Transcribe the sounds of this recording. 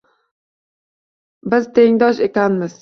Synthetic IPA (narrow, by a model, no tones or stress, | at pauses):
bɪzt̪ʰe̞ŋd̪ɒʃekʲanmɪz̥